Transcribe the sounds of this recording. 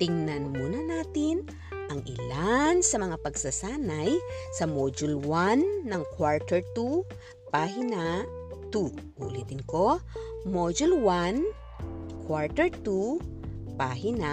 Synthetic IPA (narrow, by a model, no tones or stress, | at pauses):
t̪ɪŋnɐnmuːnɐnaːt̪ɪn | ʔɐŋʔɪ̰lansɐmɐŋapɐɡsɐsaːnɐjsɐmod͡ʒulwanːɐŋkwaɹt̪ɛɹt̪u | paːɦɪnɐ | t̪u | ṵʔlit̪ɪnkomod͡ʒulwan | kʰwaɹt̪ɛɹt̪u | paːɦɪnɐ